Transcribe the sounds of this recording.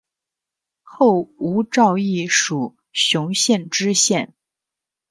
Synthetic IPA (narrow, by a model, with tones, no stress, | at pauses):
xo˥˩ʊu˧˥ʈ͡ʂɑ˥˧ʊi˥˩ʂu˨˩ | ɕjʊ˧˥ŋɕjɛ˥˩nʈ͡ʂɻ̩˥ɕjɛ˥˩n